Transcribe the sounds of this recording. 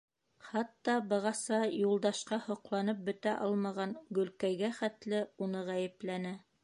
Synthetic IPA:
χɑt̪ːɑbɤ̆ʁɑsɑjulˠd̪ɑʃqɑhŏqlˠɑnɤp̚bɵ̆t̪æʔɑlˠmɑʁɑŋɡɵ̆lkæjɡæχæt̪lɘunɤʁæjɘ̆plænæ

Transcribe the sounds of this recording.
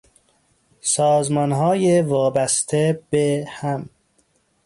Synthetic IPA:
sɒːzmɒnɦɒːjevɒːbæst̪ʰeb̥ehæm

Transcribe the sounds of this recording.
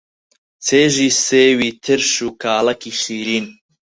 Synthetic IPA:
t͡sʰeːʒiːseːwiːt̪ʰɨɾʃuːkʰaːlɐkʰiːʃiːɾiːn

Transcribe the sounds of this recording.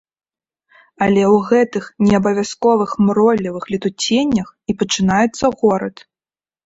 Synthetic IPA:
ɐlʲɛwɣɛt̪ɨxnʲɛɐbɐvʲaskɔvɨxmɾɔlʲːivɨxlʲit̪ut͡sʲenʲːɐxipɐt͡ʂɨnajɛt̪sːɐɣɔɾɐt̪

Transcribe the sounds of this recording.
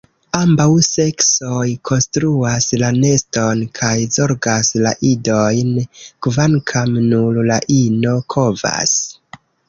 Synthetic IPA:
ambawse̞ksojkʰo̞nstɾuaslane̞sto̞nkʰajzo̞ɾɡasla̰ʔidojnkvankʰamnuɾlaʔino̞kʰo̞va̰s

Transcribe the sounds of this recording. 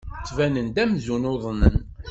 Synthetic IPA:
t͡sːvænənd̪æmzunoðˤnən

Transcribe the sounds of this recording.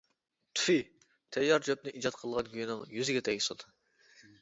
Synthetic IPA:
t̪ʰu̥fi | t̪ʰɛjːɑɾd͡ʒøp̚nɪʔid͡ʒɑt̪qʰəlˠʁɑnkʰʲyjinɪŋjyzɪɡʲɛt̪ʰɛisɨd̪u

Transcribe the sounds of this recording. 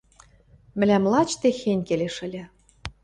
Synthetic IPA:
mɘ̆lʲæmlˠɑt͡ɕt̪exenʲkeleʃɘ̆lʲɘ̆

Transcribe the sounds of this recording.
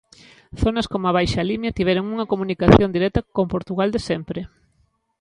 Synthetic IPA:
θonɐskomoaβ̞ajʃalimjat̪iβ̞ɛɾoŋuŋɐkomũnikaθjond̪iɾɛt̪ɐkompoɾt̪uɣald̪esɛmpɾe

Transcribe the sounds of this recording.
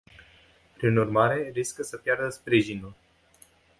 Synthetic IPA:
pɾinurmaɾe̞ɾiskəsəpjard̪əspɾiʒinul

